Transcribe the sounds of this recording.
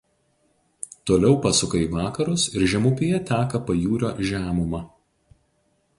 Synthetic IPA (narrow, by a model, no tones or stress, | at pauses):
t̪oːlʲɛʊpɐsʊkɐiʋɑːkɐɾʊsɪɾʒʲɛmʊpʲɪjɛt̪ʲæːkɐpɐjuːɾʲo̰ːʒʲæːmʊmɑ